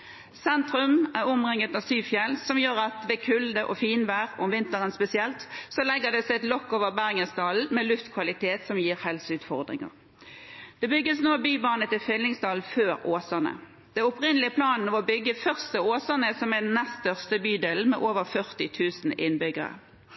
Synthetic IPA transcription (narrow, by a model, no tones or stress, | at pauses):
sɛnt̪ʁʉmæʊmʁɪŋːət̪nɑsyːfjɛlsɔmjøːʁɑt̪ʋɛkʰʉld̪əʔɔfiːnʋæːʁʊmʋɪnt̪əʁənspɛsɪɛlt̪sɔlɛɡːəd̪ɛsɛɪɛt̪lɔkːoːʋəʁbæːʁɪŋənsd̪ɑːln̩mɛlʉft̪kʰʋɑlɪt̪ʰeːt̪sɔmjiːʁhɛlsʉːt̪fɔʁd̪ʁɪ̰ŋə̰ʁ | d̪̥ɛbʏɡːəsnoːbyːbɑːnət̪ɪlfʏlːɪŋsd̪ɑːln̩føːɾoːsənə̰ | d̪̥ɛʊpʁɪnəlɪəpʰlɑːnnɑʋɔbʏɡːəfœʁst̪əoːsəʁnəsɔmæd̪ɛn̩ːɛst̪œʁst̪əbyːd̪eːln̩mɛ̰ːʔoːʋəʁfœʁt̪ɪt̪ʰʉːsn̩ɪnbʏɡə̰ʁə̰